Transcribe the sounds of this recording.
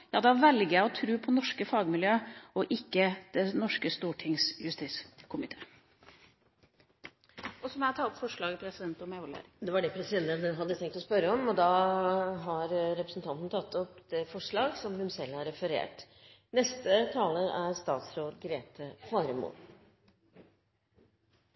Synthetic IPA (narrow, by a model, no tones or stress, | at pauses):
jɑːd̪ɑʋɛlɡəæɔt̪ʰɾʉːpʰɔnɔʂkəfɑːɡmɪljøːɔʔɪkːəd̪̥ɛnɔʂkəst̪uːʈʰɪŋsjʉst̪iːt̪skʰʊmɪt̪ʰeː | ʔɔsɔmɛt̪ʰɑːɔpfɔʂɭɑːɡəpʰɾɛsɪd̪ɛnt̪ɔmɛʋɔlə̰ɾd̪ɛʋɑɖɛpʰɾɛsɪd̪ɛnt̪ənd̪ɛnɦɑd̪ːət̪ʰɛŋkt̪ɔspœɾəɔmɔd̪ɑ | ɦɑɾɾɛpɾəsn̩t̪ɑnt̪nət̪ʰɑt̪ːɔpd̪̥ɛfɔʂɭɑːɡsɔmhʉnsɛlːæɾɛfəɾḛːʈ | nɛst̪ət̪ʰɑːləɾæɾst̪ɑːt̪sɾoːd̪ɡɾeːt̪ʰəfɑːɾmṵː